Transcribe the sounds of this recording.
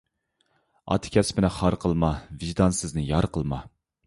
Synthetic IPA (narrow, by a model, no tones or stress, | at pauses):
ɑ̰t̪ʰkʲʰɛspɪnɪχɑɾqʰəlˠmɑvɪʒd̪ɑnsɨznɪjɑɾqʰəlˠmɑ